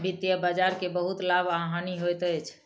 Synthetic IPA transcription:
bʱit̪jəbad͡ʒaɾkebəɦut̪labʱaɦaniɦojt̪ət͡ʃʰ

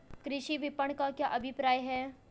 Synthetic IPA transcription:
kɾɪʃiʋɪpəɳkakjaːʔɐbʱɪpɾaːjɦɛː

